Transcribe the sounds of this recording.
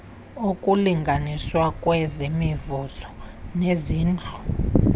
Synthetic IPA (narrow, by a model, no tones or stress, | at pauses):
okʼuliŋɡʱaniswakʼwɛzimivuzɔneziːnd͡ɮʱu̥